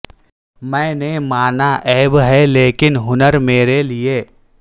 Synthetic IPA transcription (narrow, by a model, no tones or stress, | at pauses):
mɛ̃ːnemaːnaʔɛːbɦɛleːkɪnɦʊnəɾmeːɾelieː